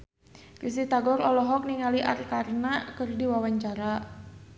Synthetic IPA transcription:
ris̬it̪aɡɔɾɔlɔɦɔk̚niŋaliʔa̰rkarnakərdiwawaɲt͡ʃaɾa

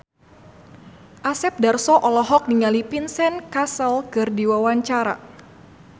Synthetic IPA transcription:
ʔasɛp̚darsɔʔɔlɔɦɔk̚niŋalipinsɛnkasəlkɨrdiwawaɲt͡ʃaɾa̰

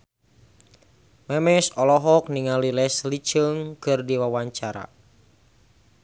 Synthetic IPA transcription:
mɛmɛsɔlɔɦɔk̚niŋalilɛslit͡ʃəŋkɨrdiwawaɲt͡ʃaɾa̰

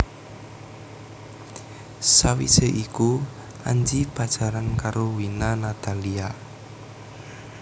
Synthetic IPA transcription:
sawḭseʔiku | ʔa̰ɲd͡ʒib̥a̤d̥ʒ̥a̤ɾankaɾowinanat̪alia

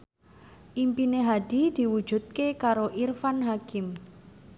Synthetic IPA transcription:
ʔimpineɦad̥i̤d̪̥i̤wud̥ʒ̥ṳt̪̚kekaɾoʔirfanɦakɪm

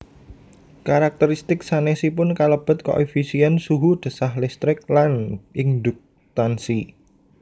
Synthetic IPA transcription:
kaɾak̚t̪əɾist̪ɪksanesipʊnkaləb̥ə̤t̪̚ko̰ʔefisiɛnsuɦud̪̥ə̤sahlɪst̪ɾɪk̚lanʔɪŋd̪ʊk̚ | t̪ansi

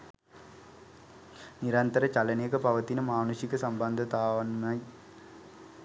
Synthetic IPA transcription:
nɪɾɐnt̪ɐɾɐt͡ʃɐlɐneːɣɐpɐʋɐt̪ːinɐmaːnusikːɐsɐmbɐnd̪ʱɐt̪aːʋɐnmɐj

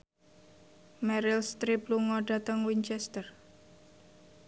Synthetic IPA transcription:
mɛɾilst̪ɾipluŋɔɖa̤t̪əŋwiɲt͡ʃɛst̪ər

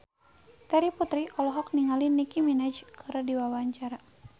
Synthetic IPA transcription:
t̪aɾiput̪ɾiʔɔlɔɦɔk̚niŋalinikiminad͡ʒkɨɾdiwawaɲt͡ʃaɾa

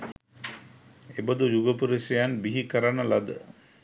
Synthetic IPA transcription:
ebəd̪ujuɡəpuɾisejanbiɦikəɾanəlad̪ə̰

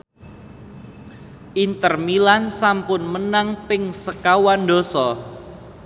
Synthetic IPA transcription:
ʔint̪ərmilansampʊnmənaŋpɪŋsəkawando̤sɔ

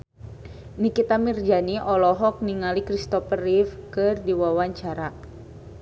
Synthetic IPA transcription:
nikit̪amird͡ʒaniʔɔlɔɦɔk̚niŋalikɾist̪ɔfərifkɨrdiwawaɲt͡ʃaɾa

